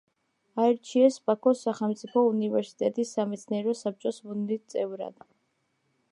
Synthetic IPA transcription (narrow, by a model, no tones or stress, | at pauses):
aɛɾt͡ʃʰiɛsbʼakʰɔsaχɛlˠmt̪sʼipʰɔunivɛɾsi̥t̪ʼɛt̪ʼisːamɛt̪sʰniɛɾɔsap̚t͡ʃʼɔsbunit̪sʼɛvɾa̰d̪̥